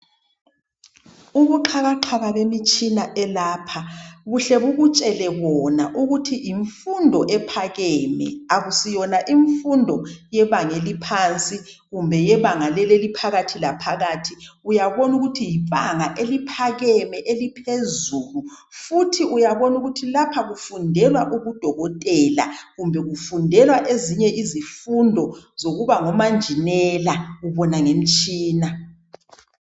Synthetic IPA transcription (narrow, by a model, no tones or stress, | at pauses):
uɣuǃʰaɣaǁʰaβaβemit͡ʃʼinaʔɛlaːpʰaβuɬɛβuɣut͡ʃʼɛlɛβɔnaʔuɣutʰijiɱfundʱɔʔɛpʰaɣɛːmɛ̰aɣusijɔnaʔiɱfundʱɔjɛβaŋelipʰant͡sʼiɣumbʱɛjɛβaŋalɛlelipʰaɣatʰilapʰaɣatʰiujaβɔnuɣutʰijipʼaŋaʔelipʰaɣɛmɛʔelipʰezuːlu | futʰiʔujaβɔnuɣutʰilapʰaɣufundʱɛlwaʔuɣud̥ʱɔɣɔtʼɛla̰ɣumbʱɛɣufundʱɛlwaʔeziɲɛʔizifundʱɔzoɣuβaŋɔmand͡ʒʱinɛlaɣuβɔnaŋem̩t͡ʃʼiːna